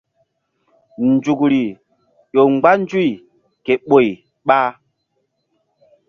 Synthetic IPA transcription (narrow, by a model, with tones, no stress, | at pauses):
nd͡ʒu˨kɾi˨ | ɗo˨ŋ͡mɡ͡ba˦n˦d͡ʒu˦˨ | ke˨ɓo˨j | ɓa˦